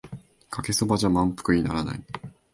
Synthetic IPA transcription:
kʰake̞so̞baʑamãmpɯ̟̥kɯ̟ɲ̟ina̰ɾana̰i

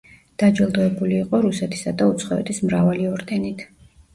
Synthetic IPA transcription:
d̪̥ad͡ʒɛlˠd̪ɔɛbuliːqʼɔɾusɛt̪ʰi̥sad̪aut̪sʰχɔɛ̰t̪ʰismɾavaliɔɾd̪ɛnit̪ʰ

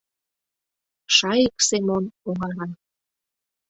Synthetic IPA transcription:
ʃɑjiksemonoŋɑɾɑ

